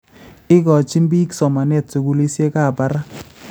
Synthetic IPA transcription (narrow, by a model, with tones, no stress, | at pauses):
ɪ˦kɔ˨t͡ʃi˦mbi˦ksɔ˨ma˨nɛ˦˨t̚so˨ɡu˦li˦sje˦ka˦˨ba˦ɾa˦